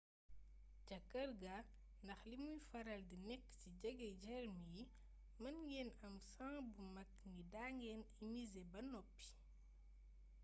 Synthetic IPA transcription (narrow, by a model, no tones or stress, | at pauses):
cɐkɐrɡɐ | ndɐxlimujfɐɾɐldinɛkːciɟɐɡɛɟɛrmij | mɐnɡɛnɐmsãːŋbumɐknidaːŋɡɛnimizebɐnɔpːi̥